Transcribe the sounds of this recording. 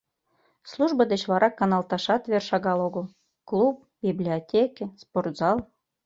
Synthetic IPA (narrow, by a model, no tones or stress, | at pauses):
slˠuʒbəd̪et͡ɕvlɑɾʔɑkːɑnɑlˠt̪ɑʃɑt̪verʃɑɣɑloɣəl | klˠup̚biblʲiotʲekesport̪zɑlˠ